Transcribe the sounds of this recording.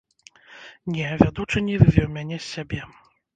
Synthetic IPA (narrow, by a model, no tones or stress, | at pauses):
nʲɛvʲad̪ut͡ʂɨnʲivɨvʲɛwmʲanʲɛsʲabʲɛ